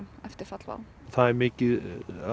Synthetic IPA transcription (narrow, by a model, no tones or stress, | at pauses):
ɛft̪ɪɾ̥fat̪lva̰w | θaðɛɾmɪːcɪð